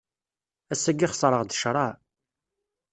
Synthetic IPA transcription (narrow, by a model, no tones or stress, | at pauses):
æsːæɡːiχsˤɾˤəʁd̪əʃɾˤɑ